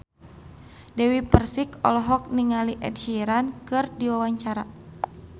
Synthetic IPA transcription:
dɛwipərsikɔ̰lɔɦɔk̚niŋaliʔɛ̰dhiɾankɨrdiwawaɲt͡ʃaɾa

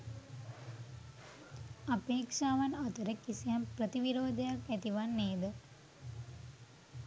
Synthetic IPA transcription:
apeːkʂaːʋanat̪əɾəkisijamprət̪iʋiɾoːd̪ɐjakæt̪iʋanːeːd̪ə

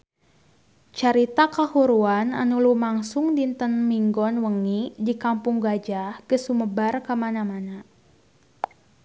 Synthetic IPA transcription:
t͡ʃaɾit̪akahuɾuana̰nulumaŋsʊŋdint̪ənmiŋɡɔnwəŋidikampʊŋɡad͡ʒahkəsuməbarkəmanamana

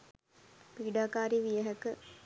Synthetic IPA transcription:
piːɖaːkaːɾiʋijɐɦɐkɨ

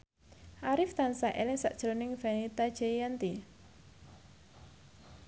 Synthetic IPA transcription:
ʔaɾɪft̪ansaʔelɪŋsaʔd̥ʒ̥əɾonɪŋvanit̪ḁʒ̥ejant̪i

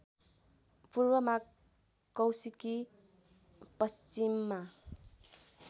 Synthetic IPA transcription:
puɾbʌma | kːʌwsiki | pʌst͡ʃimːa

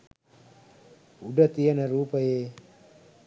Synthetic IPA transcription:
uɖət̪ijənɐɾuːpəjeː

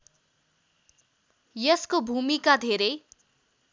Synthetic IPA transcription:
jʌskobʱumikad̪ʱeɾʌj

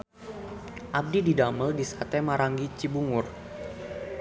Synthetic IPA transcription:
ʔab̚dididaməldisat̪ɛmaɾaŋɡit͡ʃibuŋʊr

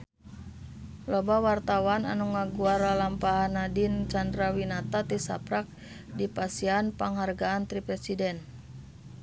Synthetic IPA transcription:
lɔbawart̪awana̰nuŋaɡuaɾalampaɦanadint͡ʃandɾawinat̪at̪isa̰pɾak̚ | dipasianpaŋɦarɡaːnt̪ɾipɾɛsidɛn

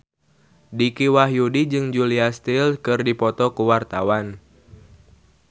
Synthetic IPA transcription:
dikiwaɦjudid͡ʒɨŋd͡ʒuliast̪ilkɨrdipɔt̪ɔkuwart̪awan

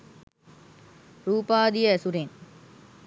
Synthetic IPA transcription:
ɾuːpaːd̪ijɐɐsuɾeːn

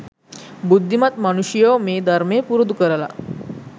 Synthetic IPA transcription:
bud̪ʱːimat̪mañuɕjəwmed̪ʱaɾmepuɾd̪ukəɾala̰

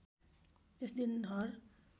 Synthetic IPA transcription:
esd̪ind̪ʱʌɾ

